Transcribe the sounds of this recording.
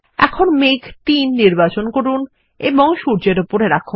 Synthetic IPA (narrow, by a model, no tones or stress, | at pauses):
ɛ̰kʰonmekt̪inːiɾbat͡ɕonkoɾun | eboŋʃuɾd͡ʑeɾupoɾeɾakʰːo